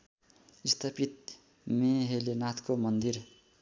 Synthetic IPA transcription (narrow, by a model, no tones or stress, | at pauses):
ist̪ʰapit̪̚ | meɦelenat̪ʰkomʌnd̪ir